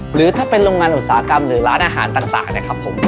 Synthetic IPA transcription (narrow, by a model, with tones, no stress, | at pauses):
ɾɯː˨˩˦t̪ʰaː˥˩pe˧nɾoː˧ŋaː˧nʔu˨˩t̪̚saː˩˦a˦˥ka˧mɾɯː˩˦ɾaː˦˥nʔaː˧ɦa̰ː˩˦nt̪aː˨˩ŋt̪a̰ː˨˩ŋni˥˩ɐkʰɾa˦˥pʰːo˩˦m